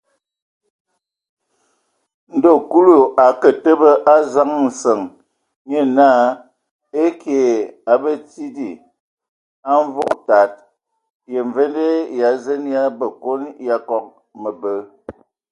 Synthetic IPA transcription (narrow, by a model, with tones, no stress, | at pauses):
n̩˨do˨ku˦lu˨a˨kə˨tə˦bə˦ʔa˦za˦ŋn̩˨sə˨ŋ | ɲə˦na˦˨ | e˦kje˨a˨bə˦ti˦di˨ | a˦ɱ˦vo˦kta˨t̚ | je˨ɱ˨ve˦nde˦ja˨˦zə˦nja˦bə˨ko˦nja˦kɔ˦k̚ | mə˨bə˦